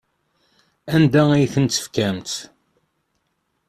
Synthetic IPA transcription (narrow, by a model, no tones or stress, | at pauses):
ænd̪æijθənt̪ːə̥fkæmt̪